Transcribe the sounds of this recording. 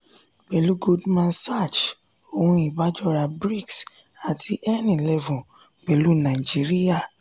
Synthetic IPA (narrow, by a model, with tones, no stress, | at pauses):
k͡pɛ˨lu˦ɡo˦dmã˧sa˦˨d͡ʒ | o˨hũ˧˦i˨ba˨˦d͡ʒɔ˦˨ɾa˧bɾi˦ks | a˨ti˧ʔɛ˦nĩ˨lɛ˦vũ˨ | k͡pɛ˨lu˦nã˨i˨d͡ʒi˦ɾi˦ja˦˨